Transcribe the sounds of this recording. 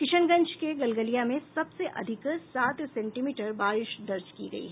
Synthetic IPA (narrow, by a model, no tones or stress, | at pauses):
kɪʃənɡɐ̃ɲt͡ʃkeɡɐlɡəlijamẽsɐbseʔɐ̰d̪ʱɪksaːt̪sɛ̃ːɳʈimiːʈəɾbaːɾɪʃd̪ɐɾd͡ʒkḭɡɐ̰ḭɦ